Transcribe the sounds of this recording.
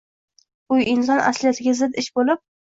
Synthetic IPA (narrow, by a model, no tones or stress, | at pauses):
ʊjɪnsɒnʔa̰slijat̪ʰɪɡʲazɪd̪ɪʃbolɪp̚